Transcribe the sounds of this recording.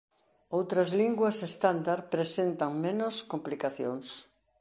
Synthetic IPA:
owt̪ɾɐzliŋɡwɐsest̪and̪aɾpɾesent̪ɐŋmenoskomplikaθjoŋs

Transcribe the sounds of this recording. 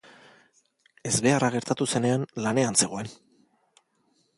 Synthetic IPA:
e̞zβe̞araɣ̞e̞ɾt̪at̪use̞ne̞anlane̞anse̞ɣo̞e̞n

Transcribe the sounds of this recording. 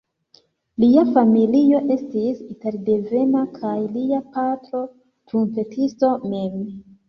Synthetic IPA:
liafamilio̞ʔe̞stisite̞ɾde̞ve̞nakʰajliapatɾo̞ | tunpe̞tʰisto̞me̞m

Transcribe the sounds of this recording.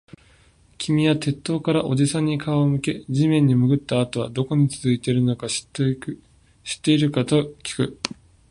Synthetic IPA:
kʲimʲijat̪e̞t̪ːo̞ːkaɾaʔo̞ʑisãɲ̟ːikaomɯ̟ke̞d͡ʑimẽ̞ɲ̟ːimɯ̟ɡɯ̟t̪ːaːt̪o̞βad̪o̞ko̞ɲ̟it͡sɨzɨit̪e̞ɾɯ̟no̞kḁt | ɕi̥t̪ːe̞iɾɯ̟kat̪o̞kʲi̥kɯ̟

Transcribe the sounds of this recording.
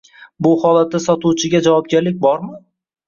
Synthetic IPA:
bʊhɒlˠat̪̚ːasɒt̪uwt͡ʃʰɪɡʲad͡ʒavɒp̚ɡʲaɾlɪk̚ʲbɒɾmɪ

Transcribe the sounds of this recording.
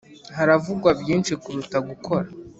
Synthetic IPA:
haɾavuɡwabjiːnʃikuɾutaɡukʰo̞ɾa

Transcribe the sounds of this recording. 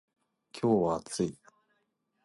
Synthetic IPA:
kʲʰoːβat͡sɨi

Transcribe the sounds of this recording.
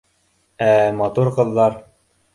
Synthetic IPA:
æmɑt̪uɾqɤ̆ðːɑɾ

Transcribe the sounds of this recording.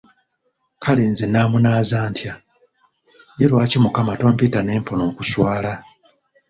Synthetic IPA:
kʰaliːnzenaːmunaːzaːntʰja | jeɾwaːcimukamato̞ːmpitane̞ːmpono̞ːkuswaːla

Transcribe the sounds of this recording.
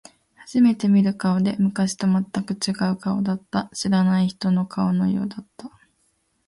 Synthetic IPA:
haʑ̥ime̞t̪e̞mʲiɾɯ̟kaod̪e̞mɯ̟kaɕi̥t̪o̞mat̪ːakɯ̟t͡ɕiɡaɯ̟kao̰d̪at̪ːaɕiɾanaiçi̥t̪o̞no̞kʰaono̞̰jo̞̰ːd̪at̪ːa

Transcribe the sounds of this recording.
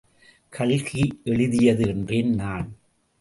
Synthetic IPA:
kʰɐɭɣiʔɛɭɪðɪjɐðɯɛndrennaːn

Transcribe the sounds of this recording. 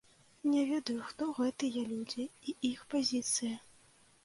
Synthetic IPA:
nʲɛvʲɛd̪ɐjuxt̪ɔɣɛt̪ɨjɛlʲud͡zʲiiixpazʲit̪sɨjɐ

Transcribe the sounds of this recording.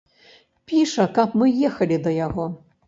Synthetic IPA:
pʲiʂɐkapmɨjɛxɐlʲid̪ɐjaɣɔ

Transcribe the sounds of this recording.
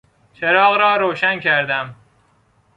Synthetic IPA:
t͡ʃʰeɾɒːɣɾɒːɾoːʃæncʰæɾd̪æm

